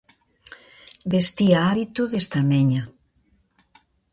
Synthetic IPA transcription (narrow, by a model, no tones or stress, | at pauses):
best̪iaaβit̪uðest̪ameɲa